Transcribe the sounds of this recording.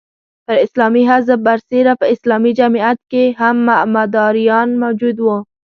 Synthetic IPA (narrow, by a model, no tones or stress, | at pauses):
t̪əɾɪslɑmiɦazəbaɾseɾapəɪslɑmid͡ʒamiat̪̚keɦamːamad̪ɑɾijɑnmawd͡ʒud̪wu